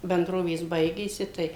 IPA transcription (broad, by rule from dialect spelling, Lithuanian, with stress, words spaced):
bʲɛnˈdroːʋʲeːs ˈbɐɪɡʲeːsʲɪ ˈtɐɪ